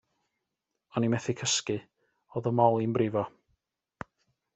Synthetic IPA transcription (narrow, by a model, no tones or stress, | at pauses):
ɔnimɛθikʰəskɨ | oðɔmɔlˠinbrɪvɔ